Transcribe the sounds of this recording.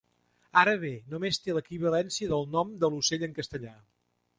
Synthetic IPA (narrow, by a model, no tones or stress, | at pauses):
aɾəβ̞enomest̪eləkiβ̞əlɛnsiəðəlˠnɔmd̪əluseʎəŋkəst̪əʎa